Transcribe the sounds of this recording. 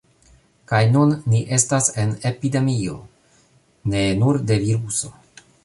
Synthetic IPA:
kajnunːiʔe̞stase̞ne̞pide̞mio̞̰ | ne̞nuɾde̞viɾuso̞

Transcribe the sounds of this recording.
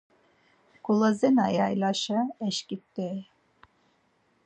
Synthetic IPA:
kulˠazɛnajajlaʃaɛʃkip̚t̪ɛ

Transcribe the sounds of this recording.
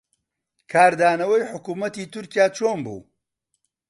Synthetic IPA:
kʰaːɾd̪aːnɐwɐjħʊkuːmɐt̪iːt̪ʊɾkijaːt͡ʃʰoːnbṵː

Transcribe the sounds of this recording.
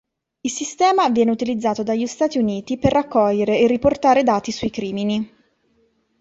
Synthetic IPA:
ilsist̪ɛːmavjɛːneut̪ilid̪zːaːt̪od̪aʎːist̪aːt̪iuniːt̪iperːakːɔʎːeɾeːrːiport̪aːɾed̪aːt̪isuikɾiːmini

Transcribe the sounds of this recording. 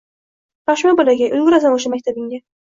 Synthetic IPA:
baʃmabolaɡʲajʔʊlɡʲʊɾazanoʃ̬amak̚ʲt̪ʰabɪŋɡʲa

